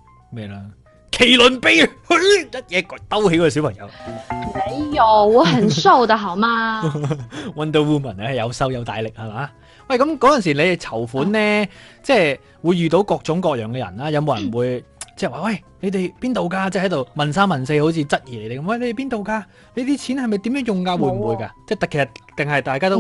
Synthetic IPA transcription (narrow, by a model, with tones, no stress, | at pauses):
me˨˧jlaː˧ | kʰe˨˩jlɵ˨npe˥jhɵ˨˥jjɐ˥t̚jɛː˨˧kt̪ɐ˥whe˧˥jkɔː˧˥kɔː˧si˨˥wpʰɐ˨˩ŋjɐ̰˨˧wne˨˧jɔ˨˩wwɔː˨˧hɐ˨˩nso˥˩wt̪ɐ˨˧ɦɐ˨˩maː˧ | wɐ˧nt̪ə˧wuː˥mɐ˨˩nɛ˧˥˨jɐ˨˧wsɐ˥wjɐ˨˧wt̪a̰ː˨˧jlɪ˨k̚hɐ˨˧maː˨˥ | wɐ˨jkɐ˨˥mkɔː˨˥jɐ˨ns̬iː˨˩ne˨˧jt͡sʰɐ˨˩wfuː˨˥nnɛː˥t͡sɛː˥˧ | wuː˨˧jːyː˨˧t̪o˨˧˥wkɔː˧k̚t͡sʊ˨˥ŋkɔː˧k̚jœː˨˩ŋkɛː˧jɐ̰˨˩nlaː˥jɐ˨˧wmo˨˧wjɐ˨˩nwuː˨˧jt͡sɛː˥˩waː˨wɐ˥˩jne˨˧jt̪e˨jpiː˥nt̪o˨wkaː˧t͡sɛː˥˩hɐ˨˥jt̪̬o˨wmɐ˨˩nsaː˥mɐ˨˩nse˧ho˨˥wt͡sʰiː˧t͡sɐ˥t̚jiː˨˩ne˨˦jt̪e˨˩kɐ˧˦mwɐ˥˩jle˧˦t̪e˨˩piː˥nt̪o˨wkaː˧ | ne˨˧jt̪iː˥t͡sʰiː˨˥nhɐ˨jmɐ˨˩jt̪iː˨˥mjœː˨˥ŋjʊ˨ŋkaː˧wuː˨˧jm̩˨˩wuː˨˧jkaː˧t͡sɛː˥˩t̪ɐ˨˩kʰe˨˩sɐ˨˩tt̪ɪ˨ŋhɐ˨jt̪aː˨jkaː˥t̪o˥